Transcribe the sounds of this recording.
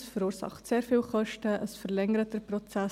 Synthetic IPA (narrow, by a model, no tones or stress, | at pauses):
sfəɾuːɾsɑ̰χtseːɾfiːlχœʃtəʔəsfəʁlɛŋəɾətəprɔt͡sɛ